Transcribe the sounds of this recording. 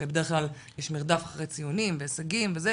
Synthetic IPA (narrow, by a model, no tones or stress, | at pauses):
ebede̞eχklal | jeʃmiʁd̪afaχʁejt͡sijonimveasaɡimveze